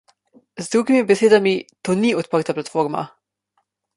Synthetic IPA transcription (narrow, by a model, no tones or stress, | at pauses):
zd̪ɾuɡimibɛseːd̪amit̪oːniɔt̪̚pəɾt̪aplat̪foːɾma̰